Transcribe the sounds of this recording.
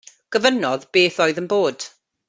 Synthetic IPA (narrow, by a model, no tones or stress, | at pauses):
ɡ̥əvənɔðb̥eːθojðənboːd̥